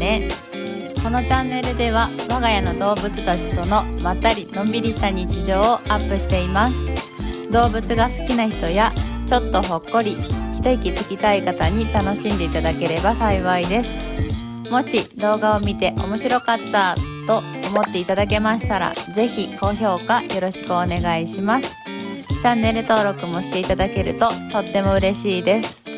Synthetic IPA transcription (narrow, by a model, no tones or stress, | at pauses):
ne | ko̞no̞t͡ɕãnːe̞ɾɯ̟d̪e̞βaβaɡajano̞d̪o̞ːbɯ̟t͡sɨ̥t̪at͡ɕi̥t̪o̞no̞mat̪ːaɾʲinõ̞mbʲiɾʲiɕi̥t̪aɲ̟it͡ɕiʑo̞ːʔapːɯ̟ɕi̥t̪e̞imasɨ̥ | d̪o̞ːbɯ̟t͡sɨɡasɨ̥kʲinaçi̥t̪o̞jat͡ɕo̞t̪ːo̞ɦo̞kːo̞ɾʲiçi̥t̪o̞ikʲit̪i̥kʲit̪aikat̪aɲ̟it̪ano̞ɕĩnd̪e̞it̪ad̪ake̞ɾe̞basaiβaid̪e̞sɨ̥ | mo̞ɕid̪o̞ːɡaomʲit̪e̞ʔo̞̰mo̞ɕiɾo̞kat̪ːat̪o̞ | omo̞t̪ːe̞it̪ad̪ake̞maɕi̥t̪aɾa̰ze̞çiko̞ço̞ːkajo̞ɾo̞ɕi̥kɯone̞ɡaiɕimasɨ̥ | t͡ɕãnːe̞ɾɯ̟t̪o̞ːɾo̞kɯ̟mo̞ɕi̥t̪e̞it̪ad̪ake̞ɾɯ̟̰t̪o̞t̪o̞t̪ːe̞mo̞ɯ̟ɾe̞ɕiːd̪e̞sɨ̥